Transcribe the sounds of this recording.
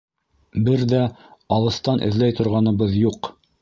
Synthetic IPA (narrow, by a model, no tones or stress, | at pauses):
bɘɾðæɑlˠɤ̆st̪ɑnʔɘ̰̆ðlæjt̪ŏɾʁɑnɤ̆βɤðjuq